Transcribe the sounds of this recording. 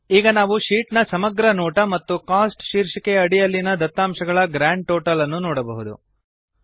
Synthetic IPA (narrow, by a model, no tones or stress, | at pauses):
iːɡɐnaːʋuʂiːʈnɐsɐmɐɡɾɐnɔːʈɐmɐt̪ːukaːsʈʃiːɾʂikeɐɽijɐlːinɐd̪ɐt̪ːaːmʃɐɡɐɭɐɡɾaːɳɖ̚ʈoːʈɐlɐnːunɔːɽɐbɐɦud̪ṵ